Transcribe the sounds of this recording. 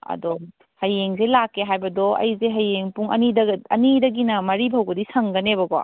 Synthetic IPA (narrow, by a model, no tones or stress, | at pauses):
ɐ̰dɔ | hɐjeŋzelakːeɦajbɐdɔɐ̰jzeɦɐjeŋpuŋɐ̰nidɐɐnidɐɡinɐmɐɾibʱɐwbɐdisɐŋɡɐnebɐɡɔ̰